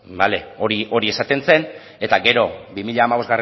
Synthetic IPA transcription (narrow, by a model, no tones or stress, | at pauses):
bale̞o̞ɾiʔo̞ɾie̞sat̪e̞nse̞n | e̞t̪aɡe̞ɾo̞bimiʎaːmaβo̞zɣare